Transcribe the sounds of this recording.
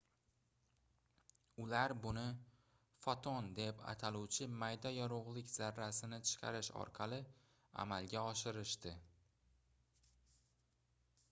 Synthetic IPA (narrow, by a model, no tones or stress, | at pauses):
ʊlaɾbʊnɪ | fɒt̪ʰɒnd̪e̞pʰa̰t̪ʰaluwt͡ʃʰɪmajd̪ajɒɾoʁlˠɪkʲz̥aɾːasɪnɪt͡ʃʰɨ̥qʰɑ̰ɾɪʃɒ̰ɾqʰɑlˠɪ | a̰malɡʲaɒʃɪɾɪʃt̪ɪ